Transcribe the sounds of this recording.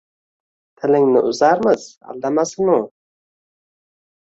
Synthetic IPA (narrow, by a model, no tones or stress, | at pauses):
t̪ʰɪlɪŋnɪ̰ʔʊzaɾmɪz̥a̰lˠd̪amasɪnʊ